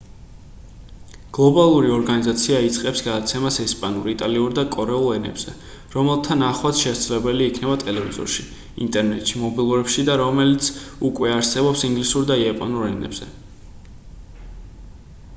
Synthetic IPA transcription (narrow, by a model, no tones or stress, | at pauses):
ɡ̥lˠɔbalˠuɾiɔɾɡanizat̪sʰiait̪sʼqʼɛpsɡad̪at̪sʰɛmasɛspʼanuɾit̪ʼaliuɾd̪akʼɔɾɛulˠɛnɛ̰bz̥ɛ | ɾɔmɛlˠt̪ʰanaχwat̪ʃɛt̪slɛbɛliːkʰnɛbat̪ʼɛlɛvizɔ̰ɾʃi | ḭnt̪ʼɛɾnɛt̪ʼʃimɔbilˠuɾɛpʃid̪aɾɔmɛlit̪sʰukʼwɛaɾsɛbɔpsiŋɡlisuɾd̪aiapʼɔ̰nuɾɛnɛ̰bz̥ɛ̰